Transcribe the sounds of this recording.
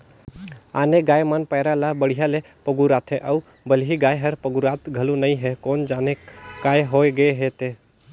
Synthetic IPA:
a̰ːneɡaːjmanpəːɾalabəɽ̤ijale | pəɡuɾat̪ʰɦẽʔəu | bəlɦiɡajɦəɾpəɡuɾat̪ɡʱəlunəiɦekoːnd͡ʒaːnekaːjɦoeɡəeɦet̪e

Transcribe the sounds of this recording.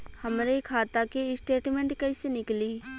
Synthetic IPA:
həmɾekʰaːt̪akeɪsʈeːʈmẽɳʈkɛɪsenɪkliː

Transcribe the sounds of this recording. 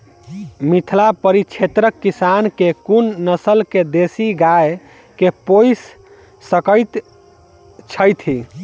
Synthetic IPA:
mit̪ʰlapəɾit͡ʃʰet̪ɾəkːisankekunnəsəlked̪esiɡae | kepojsː | əkəjt̪ | t͡ʃʰəjt̪ʰi

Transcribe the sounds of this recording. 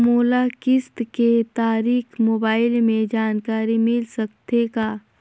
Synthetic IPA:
moːlakɪst̪ket̪aːɾiːxmoːbaːɪlmẽd͡ʒaːnkaːɾimɪlsɐkt̪ekaː

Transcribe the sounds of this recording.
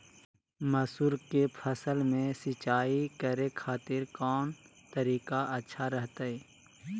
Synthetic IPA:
məsuɾkepʰəsəlmẽsɪt͡ʃaːikəɾekʰaːt̪ɪɾkɔːnt̪əɾiːkaʔətːʃʰaɾəɦt̪aɛː

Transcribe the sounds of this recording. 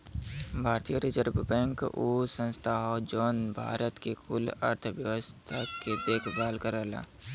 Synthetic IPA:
bʱaːɾt̪ijəɾid͡ʒəɾbbɛ̃ŋkusə̃nst̪ʰaɦɔd͡ʒoːnbʱa̰ːɾət̪kekʊlə̰ɾt̪ʰəʋjəʋəst̪ʰaked̪eːkʰbaːlkəɾəːla̰ː

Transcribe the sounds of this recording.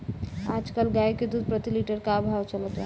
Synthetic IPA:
ad͡ʒkalɡajked̪ud̪̚pɾət̪iliʈəɾkabʱawt͡ʃələt̪ʋa

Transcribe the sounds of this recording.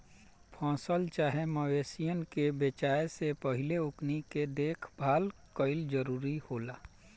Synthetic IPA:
pʰɔ̃ːsəlt͡ʃaːɦeməweːsijənkebeːt͡ʃaːesepəɦɪleʊkniked̪eːkʰbʱaːlkəɪld͡ʒəɾuːɾihoːlaː

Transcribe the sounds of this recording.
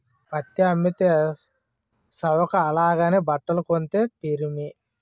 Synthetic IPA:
pɐt̪ːiɐmːit̪eː | sɐwɐkɐːlaːɡaːneːbɐʈːɐlɐkont̪eːpeɾimi

